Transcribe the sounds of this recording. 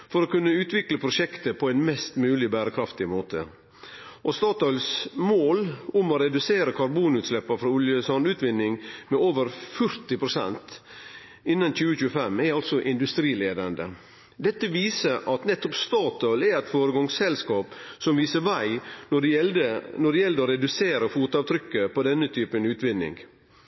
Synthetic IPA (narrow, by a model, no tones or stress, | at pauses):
fɔɾoːkʉnːəʉːt̪ʋɪkləpʰɾʊʃɛkt̪əpʰɔɛɪnmɛst̪mʉːlɪbæːɾəkʰɾɑft̪ɪmoːt̪ʰə̰ | ʔɔst̪ɑːt̪ɑʏlsmoːlʊmɔɾɛd̪ʉseːɾəkʰɑɾbuːnʉːt̪slɛpːɑfɾɑʊljəsɑnʉːt̪ʋɪnːɪŋmɛoːʋəɾfœɾt̪ɪpʰɾʊsɛ̰nt̪ | ɪnːɑnc͡çʉːəçʉːəfɛmɛɾɑlt̪sɔʔɪnd̪ʉst̪ɾiːleːd̪ɑnd̪ə̰ | d̪ɛt̪ːəʋiːsəɾʔɑt̪nɛt̪ːɔpst̪ɑːt̪ɔʏlɛɾæɪt̪foːɾəɡɑŋsɛlskɑːpsɔmʋiːsəɾʋæɪɔɖɛənɔɖɛjɛld̪əoɾɛd̪ʉseːɾəfuːt̪əɑːʋt̪ʰɾʏkːəpɔd̪ɛnːət̪ʰyːpənʉːt̪ʋɪnːɪ̰ŋ